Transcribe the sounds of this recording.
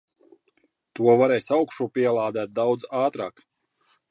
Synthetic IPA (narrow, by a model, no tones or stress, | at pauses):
t̪uɔvaɾɛːjsʲawkʃuːpʲiɛlˠaːd̪æːt̪̚d̪awd̪zaːt̪ɾaːk